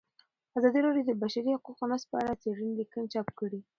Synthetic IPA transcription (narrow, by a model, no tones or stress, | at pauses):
azɑd̪iɾaɽjod̪əbaʃaɾihʊquqonaspəaɽat͡seɽənd̪əkənt͡ʃɑp̚kəɽi